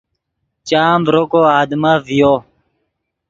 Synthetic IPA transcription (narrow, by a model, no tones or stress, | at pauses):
t͡ɕaːmbɾokoːaːd̪mavijoː